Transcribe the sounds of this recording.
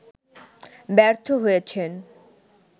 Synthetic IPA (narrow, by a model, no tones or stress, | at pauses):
bɛɾt̪ʰoɦojet͡ɕʰen